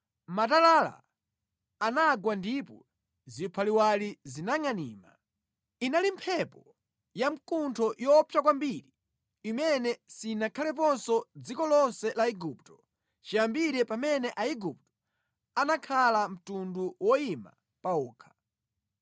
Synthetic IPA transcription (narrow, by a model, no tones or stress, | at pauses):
matalala̰ | anaɡwandipɔ | zipʰaliwalizinaŋaniːma̰ | inalimpʰɛpɔ | jam̩kuntʰɔjɔpʰjakwambiɾi | imɛnɛsinakʰalɛp̬ɔnsɔd͡zikɔlɔnsɛlaiɡuptɔ | t͡ʃiambiɾɛpamɛnɛʔaiɡup̚tɔ̥ | anakʰalam̩tunduwɔima̰ | paɔːkʰḁ